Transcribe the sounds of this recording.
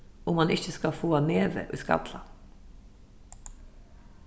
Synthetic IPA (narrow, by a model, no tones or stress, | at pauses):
ʊmɑnɪçəskɑfoːɑneːʋə̰ʔʉːskɑ̰t̪ʰlɑn